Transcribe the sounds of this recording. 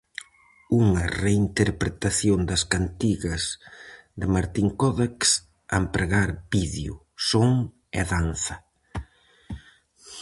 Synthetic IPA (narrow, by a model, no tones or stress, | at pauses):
uŋɐreint̪eɾpɾet̪aθjond̪ɐskant̪iɣɐzðɪmaɾt̪iŋkɔðaks | a̰mpɾeɣaɾbiðjʊ̰ | soŋ | ɛ̰ðanθɐ